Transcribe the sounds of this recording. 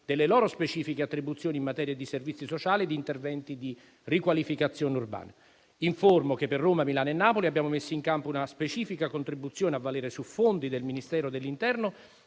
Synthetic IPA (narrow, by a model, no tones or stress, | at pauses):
d̪̥elːelɔːɾospet͡ʃiːfikeat̪ːɾibut̪sjoːnimːat̪ɛːɾjad̪iservit̪sːisot͡ʃaːlid̪iːnt̪ervɛnt̪id̪i | rikwalifikat̪sːjoːneurba̰ːna | iɱformokepːerːoːmamilaːnenːaːpoliabjaːmomesːoiŋkampounaspet͡ʃiːfikakont̪ɾibut̪sːjoːneavːalɛːɾesufond̪id̪elminist̪ɛːɾod̪elːint̪ɛrno